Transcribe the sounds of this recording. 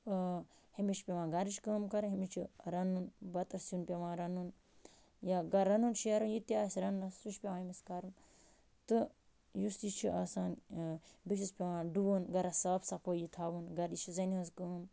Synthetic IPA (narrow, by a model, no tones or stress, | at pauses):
himit͡ʃʰpʲeʋãːɡɐɾit͡ʃkəːmkɐɾɦimit͡ʃʰiɾɐnunbɐt̪ɐɾsunpʲeʋãːɾɐnun | jaɡɐɾːɐnunʃɐɾunjit̪iaːsɾɐnnɐuʃpʲemãːɦimiskɐɾɨn | t̪ɨ | jusit͡ʃʰiʔaːsaːn | bit͡ʃispʲeʋãːɖuʋoːnɡɐɾasaːbsapoːjit̪ʰaːʋunɡɐɾit͡ʃʰizɐniɐzkəːm